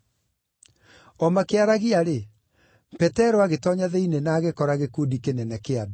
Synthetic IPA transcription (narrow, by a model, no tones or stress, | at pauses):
ɔmakeaɾaɣiaɾe | pɛtɛɾɔaɣetɔɲaðeinenaːɣekɔɾaɣekuːdikenɛnɛkead